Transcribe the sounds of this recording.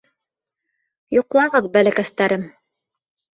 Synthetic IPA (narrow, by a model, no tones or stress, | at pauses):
jŏqlˠɑʁɤðbælækæst̪æɾɘm